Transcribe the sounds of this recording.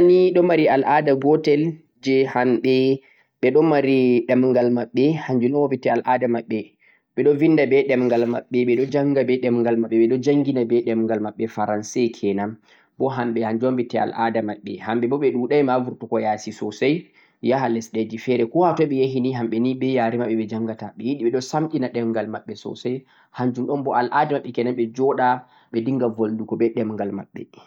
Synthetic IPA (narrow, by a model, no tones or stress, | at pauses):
niɗɔmaɾialʔadaɡɔtɛl | d͡ʒɛhamɓɛ | ɓɛɗɔmaɾiɗɛmuŋɡalmaɓːɛhaɲd͡ʒunɔwobitɛalʔadamaɓːɛ | ɓɛɗɔvindabɛɗɛmŋɡalma̰ɓːɛɓɛɗɔd͡ʒaŋɡabɛɗɛmŋɡalmaɓːɛɓɛɗɔd͡ʒaŋɡinabɛɗɛmuŋɡalmaɓːɛfaɾansɛkʰɛnam | bɔɦamɓɛhaɲd͡ʒombɛtɛa̰lʔadamaɓːɛhamɓɛbɔɓɛɗuɗajmavuɾtukɔjasisɔsaj | jaɦalɛsɗed͡ʒifɛɾɛkɔhatɔɓɛjaɦiniɦamɓɛnibɛjaɾimaɓːɛɓɛd͡ʒaŋɡataɓɛjiɗiɓɛɗɔsamɗinaɗɛmŋɡalmaɓːɛsɔ̰saj | haɲd͡ʒumɗɔnbɔʔalʔadamaɓːɛkɛnamɓɛd͡ʒɔɗa | ɓɛdiŋɡavoldukɔɓɛɗɛmŋɡalma̰ɓːɛ̰